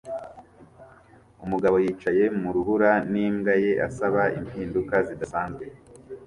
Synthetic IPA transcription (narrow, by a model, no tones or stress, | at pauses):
umuɡaβo̞jiːt͡ʃaje̞muɾuhuɾaniːmɡaje̞ʔa̰saβaimiːndukazidasaːnzɡe